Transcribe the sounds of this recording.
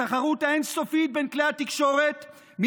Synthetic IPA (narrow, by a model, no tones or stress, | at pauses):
aχaʁut̪haenso̞fit̪̚benklehat̪ikʃo̞ʁet̪ | m